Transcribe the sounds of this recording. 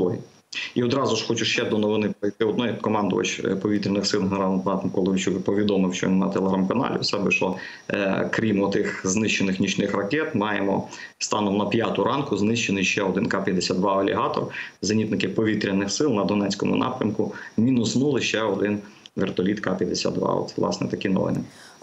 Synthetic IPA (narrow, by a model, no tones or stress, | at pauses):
lˠɔɦʲḭ | iɔd̪ɾɑzʊʃxɔt͡ʃʊʃt͡ʃɛd̪ɔnɔʋɪnɪpɾɔjt̪ɪɔd̪nɔjkɔmɑnd̪ʊ̰ʋɐ̰t͡ʃpɔʋʲit̪ɾʲinɪxsɪlˠɦeneɾɑlˠmp̪ɑt̪mkɔlˠɔʋʲɪt͡ʃukpɔʋʲid̪ɔmɪwʃt͡ʃɔ̰ʋʲinɐ̰t̪elˠeɦɾɑmkɐnɑ̰lʲɪ̰wsɛbɛʃɔ | kɾʲimɔt̪ɪxznɪʃt͡ʃenɪxnʲit͡ʃnɪxrɐkɛt̪mɑjemɔ | st̪ɑnɔmnɐpʲjɑt̪ʊɾʔɑnkʊznɪʃt͡ʃenɪjʃt͡ʃɛɔd̪ɪnkɑpʲjɐd̪esʲad̪d̪ʋɑɐlʲḭɦɑt̪ɔ̰rzɐnʲit̪nɪkɪpɔʋʲit̪ɾʲinɪxsɪlˠnɐd̪ɔnɛt͡sʲkɔmʊ̰nʔɑ̰pɾʲɐmkʊmʲinʊsnulˠɪʃt͡ʃɛɔd̪ɪnʋert̪ɔlʲit̪kɑpʲjɐd̪esʲa̰d̪d̪ʋɑ̰ɔ̰t̪sɛlˠɑ̰snɛt̪ɐkinɔ̰ʋɪ̰nɪ